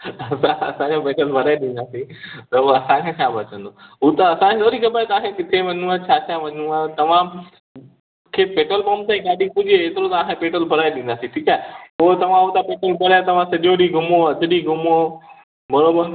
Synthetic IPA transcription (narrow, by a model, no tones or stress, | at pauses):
ɐsãɐ̰sãd͡ʑopeːʈəlbʱɐɾaːeɗĩnd̪aːsĩt̪ɐʊɐsãkʰeːt͡ɕʰaːbɐt͡ɕə̃n̆d̪oʊt̪ɐɐsãkʰeloːɾixɐbəɾt̪aːɦekɪt̪ʰeʋɐnũat͡ɕʰaːt͡ɕʰaɦʋɐɲuat̪ɐʋ̤ã | kʰeːpeːʈəlpõːmt̪ãĩɡaːɗipʊd͡ʑeeːt̪ɪɾot̪aaːkʰẽpeːʈəlbʱɐɾaːeɗĩːn̆d̪aːsĩʈʰiːkaːɦeot̪ɐʋ̤ãʊt̪apeːʈəlpɐɾjat̪ɐʋ̤ãsɐɗoɗiɡʱʊmoɐd͡ʑ̪ʊɗiɡʱʊmo | mɐɾoːbən